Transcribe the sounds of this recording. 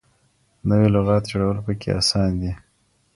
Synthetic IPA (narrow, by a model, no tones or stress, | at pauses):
nəwelaɣɑt̪d͡ʒoɽawəlpəkʰḛʔa̰sɑnd̪i